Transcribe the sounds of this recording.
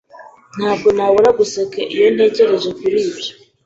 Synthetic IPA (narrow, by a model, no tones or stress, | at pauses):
n̥haːbɡo̞naβuɾaɡusekeʔijo̞n̥e̞ːce̞ɾe̞zekuɾiːbɟo